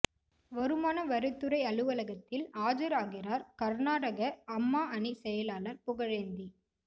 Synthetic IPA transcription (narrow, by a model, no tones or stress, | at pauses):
ʋɔɾɯmaːnɐʋɐɾɯt̪ːɯɾɐɪɐlɯʋɐlɐɣɐt̪ːɪlaːd͡ʒɐɾaːɣɪɾaːɾkɐɾnaːɽɐɣɐɐmːaːɐɳisɛjɐlaːlɐɾpʊɣɐɻeːnd̪i